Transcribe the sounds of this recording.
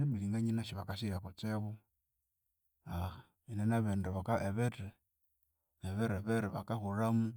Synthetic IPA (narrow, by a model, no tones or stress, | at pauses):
neβiliŋɡaɲinaʃiβakasiɾakot͡seβu | a | inenaβendeβakaʔeβete | eβeɾeβeɾiβa̰kaxuɾamu